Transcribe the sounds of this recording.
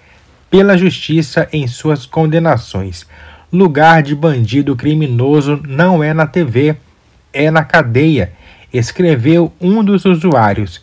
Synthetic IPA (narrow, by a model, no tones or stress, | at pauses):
pelɐʒust͡ʃisɐʔẽj̃suɐskõnd̪ẽnasõj̃sluɡaɾd͡ʒɪbɐ̃d͡ʒid̪ʊk̬ɾimĩnozʊnɐ̃w̃ɛnɐt̪eve | ɛnɐkad̪ejɐ | eskɾevewũd̪ʊzuzuaɾjʊs